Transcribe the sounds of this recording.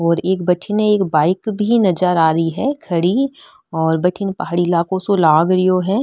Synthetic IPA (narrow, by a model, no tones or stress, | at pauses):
ɔːɾeːkbɐʈʰɪneeːkbaːɪkbʱinɐd͡ʒəɾaːɾəiɦɛkʰɐɽi | ɔːɾbɐʈʰɪnpɐɦaːɽilaːkõsolaːɡɾɪjoɦɛː